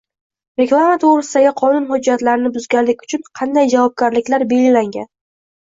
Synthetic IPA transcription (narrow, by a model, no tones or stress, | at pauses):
ɾeklˠamat̪ʰoʁɾɪsɪd̪aɡʲɪqʰɒnʊnhʊd͡ʒːat̪laɾɪnɪbʊzɡʲanlːɪkʲʊ̥t͡ʃʰʊnqʰɑnd̪ajd͡ʒavɒb̚ɡʲaɾlɪkʲlaɾbe̞lɡʲɪlaŋɡʲa̰n